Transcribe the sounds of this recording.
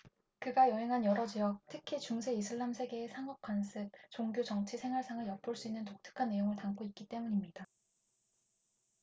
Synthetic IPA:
kɯɡajʌɦe̞ŋɦanjʌɾʌd͡ʑijʌk̚tʰɯkʰit͡ɕuŋsʰe̞isʰɯɭːamsʰe̞ɡe̞ːsʰaŋʌk̚k͈wansʰɯb̚t͡ɕoŋɡjot͡ɕʌŋt͡ɕʰisʰe̞ŋɦwaɭs͈ʰaŋɯɭjʌp̚p͈ɯɭs͈uinːɯntok̚tʰɯ̥kʰanːe̞joŋɯɭtaŋk͈oit̚k͈it͈e̞muɲimɲida

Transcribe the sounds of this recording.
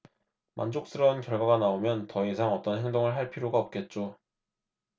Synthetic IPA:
mʔa̰nd͡ʑok̚s͈ɯɾʌunkjʌɭɡwaɡanaomjʌntʌesʰaŋʌt͈ʌnɦeŋdoŋɯɭɦaɭpʰiɾjoɡaʌp̚k͈e̞t̚t͡ɕ͈o

